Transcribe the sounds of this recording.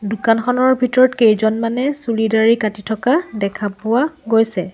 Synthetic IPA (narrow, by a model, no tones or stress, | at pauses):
dukanxʰɔnɔɹbʱitɔɹɔtkejzɔnmanɛsulidaɹikatitʰɔkadɛkʰapʊwaɡojsɛ